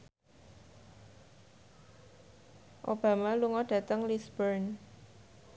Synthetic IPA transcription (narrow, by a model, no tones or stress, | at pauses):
ʔob̥a̤maluŋɔɖ̥ä̤t̪əŋlisb̥ərn